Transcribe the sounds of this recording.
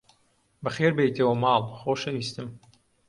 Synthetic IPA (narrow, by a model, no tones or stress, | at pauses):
bɐxeːɾbejt̪ʰɐwɐmɑːlˠxoːʃɐniːst̪ɨm